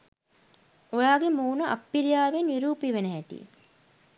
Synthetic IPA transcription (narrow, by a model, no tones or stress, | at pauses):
ojaːɡemuːnəʔapːilijaːʋenʋiɾuːpiʋenəɦæʈḭ